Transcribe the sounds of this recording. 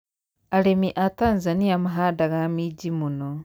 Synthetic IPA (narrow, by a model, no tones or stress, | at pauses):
aɾemiʔataːnzanijamaɦaːdaɣamiɟimuno